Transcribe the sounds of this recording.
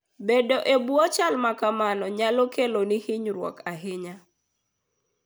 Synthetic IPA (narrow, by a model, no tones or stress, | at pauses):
bedoʔebuɔt͡ʃalmakamanɔɲalokelonihɪɲɾwɔ̰kaɦɪɲa